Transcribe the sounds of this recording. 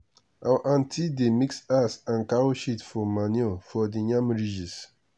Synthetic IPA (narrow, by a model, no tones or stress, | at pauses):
awʔãntʰidemiksasãnkaɾoʃitfɔmanjɔfɔdiɲãmɹid͡ʒis